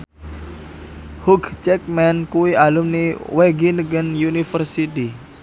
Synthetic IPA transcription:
huɡt͡ʃɛk̚mɛnkuwiʔalumniweɡinəɡənjunifərsit̪i

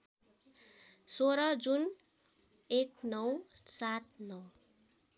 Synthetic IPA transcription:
soɾʌd͡zun | eknʌwsat̪̚nʌw

